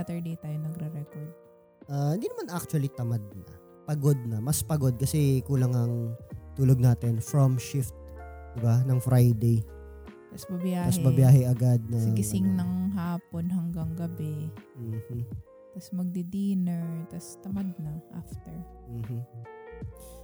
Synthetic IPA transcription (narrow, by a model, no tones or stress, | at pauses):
at̪ɛɹd̪ejt̪aːjonɐɡɾɛɾɛkoɹd̪̚ | ʔahɪnd̪inɐmanʔak̚t͡ʃʊɐlit̪ɐmad̪̚nɐ | pɐɡod̪̚nɐmɐspɐɡo̞d̪̚kɐsɛkuːlɐŋɐŋt̪uːloɡ̚naːt̪ɪnfɹomʃɪft̪̚d̪ɪbanɐŋfɾajd̪ej | t̪ɐsbɐbjaːmɐhsbɐbjaːhɛɐɡad̪̚nɐsɡɪsɪŋnɐŋɦaːponɦɐŋɡɐŋɡɐbɛh̩ | t̪ɐsmɐɡ̚d̪ɪd̪inɛɹt̪ɐst̪ɐmad̪̚nɐʔa̰ft̪ɛɹm̩ːm̩